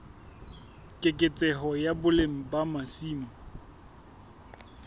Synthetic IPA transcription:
kʼɪkʼɪt͡sʼɛɦɔjabʊlem̩bamasiːmɔ

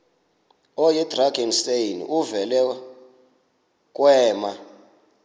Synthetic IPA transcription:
ɔjɛd̥raɡɛnstejn̰uvɛlɛ | kʼwɛːma

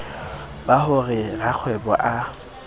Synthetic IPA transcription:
bahʊrɪrak͡xʰwɛbɔʔa

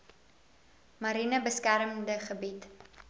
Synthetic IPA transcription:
mɐɾinəbəskæɾəmdəχəbit

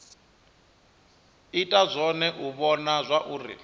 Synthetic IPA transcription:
itʼazʷɔnɛʔuβɔnazʷaʔuːrḭ

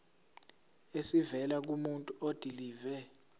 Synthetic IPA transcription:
esivɛlak̬umuntʼuod̥ʱiliːvɛ

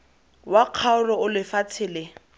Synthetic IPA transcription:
waq͡χʰaʊrɔʊlɪfat͡sʰɪːlɪ

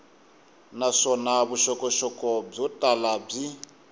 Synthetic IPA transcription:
naʂɔnaβuʃɔkɔʃɔkɔb͡ʐɔtʼalab͡ʐi

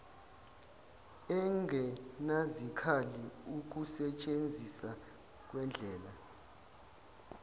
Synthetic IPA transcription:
ɛŋɡʱɛnazikʰaliuk̬usɛt͡ʃʼend͡zʱisa | k̬wɛnd͡ɮʱɛːla

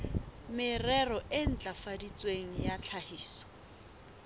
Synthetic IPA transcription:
mɪrɛrɔʔɪn̩t͡ɬʼafadit͡sʼweŋ̩jat͡ɬʰahiːsɔ̥

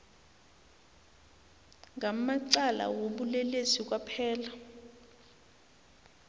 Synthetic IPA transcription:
ŋʱamaǀala̰woɓulɛlesik̬wapʰɛːla

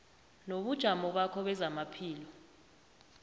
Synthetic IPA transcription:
noɓud̥ʒ̥ʱamɔɓakʰɔɓɛzamapʰiːlɔ

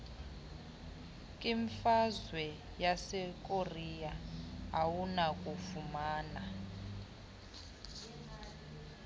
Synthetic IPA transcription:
kʼiɱfazwɛ | jasɛk̬ʼorijaawunakʼufumaːna

